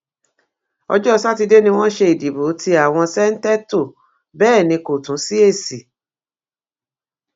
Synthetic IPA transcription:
ɔ̰˧d͡ʒɔ˦˧sa˦˨ti˧de˦nĩ˧w̃ɔ̃˦ʃe˧i˨di˨bo˨˦tʰi˧˦a˦˨w̃ɔ̃˧sɛ˦n̩˦tɛ˦to˦˨ | bɛː˦˨nĩ˧ko˨tũ˨˦si˦e˦˨si˨

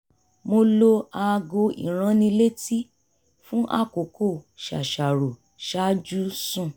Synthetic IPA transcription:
mo˧lo˧a˧ɡo˧ḭ˨ɾ̃ã˧˦nĩ˧le˦ti˦ | fũ˦ʔa̰˦˨ko˨kʰo˦˨ʃa̰˨ʃa˨ɾo˨ | ʃa˦d͡ʒu˦sũ˦˨

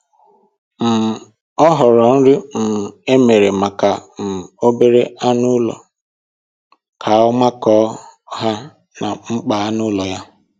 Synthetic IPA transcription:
m̩˨ | ɔ˦ɦɔ˨ɾɔ˨n̩˦ɾʊ˦m̩˨e˦me˨ɾe˨ma˨ka˨m̩˨o˦be˦ɾe˦a˦nʊ˦lɔ̰˨ | kʰa˨ɔ˦ma˦kɔː˦ɦa˦ | na˨ŋ͡m̩˦k͡pa˨a˦nʊ˦lɔ˨ja˦

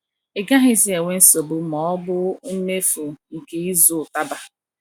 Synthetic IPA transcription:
e˨ɡa˦ɦɪ˦si˦e˨ŋʷe˦n̩˦so˨bʊ˨mɔ˨˦ɔ˦bʊ˦n̩˦me˦fu˨ŋ̩˨ke˨i˦zʊ˨ta˦ba˨

